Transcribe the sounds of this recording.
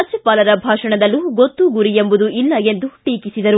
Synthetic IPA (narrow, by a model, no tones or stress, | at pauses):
ɐt͡ʃɐpaːlɐɾɐbʱaːʂɐɳɐd̪ɐlːuɡot̪ːuɡuɾiembud̪uʔilːɐe̞nd̪uʈiːkisid̪ɐɾu